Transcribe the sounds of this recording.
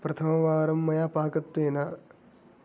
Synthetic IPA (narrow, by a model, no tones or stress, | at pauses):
pɾɐt̪ʰɐmɐʋaːɾɐmːɐjaːpaːkɐt̪weːna